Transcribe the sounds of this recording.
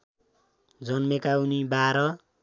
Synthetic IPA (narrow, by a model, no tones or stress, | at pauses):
d͡zʌnmekaunibaɾʌ